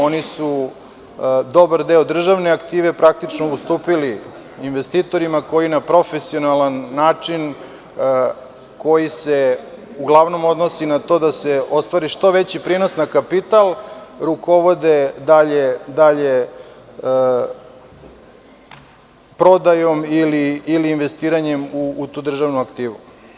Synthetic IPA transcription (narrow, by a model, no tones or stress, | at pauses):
o̞nisu | d̪o̞baɾd̪eːod̪r̩ʒaʋneakt̪iːʋepɾak̚t̪it͡ʃnoust̪uːpili | inʋest̪iːt̪o̞ɾimako̞jinapɾo̞fesio̞nalanːaːt͡ʂin | ko̞jiseuɡlˠaʋno̞mo̞d̪nosinat̪o̞ːd̪aseo̞st̪ʋaɾiʃt̪o̞ʋe̞t͡ɕipɾiːnosnakapit̪alˠɾuko̞ʋo̞d̪ed̪aʎed̪aʎe | pɾo̞d̪ajomiliiliːnʋe̞st̪iːɾaɲemuːt̪uːd̪r̩ʒaʋnuakt̪iːʋu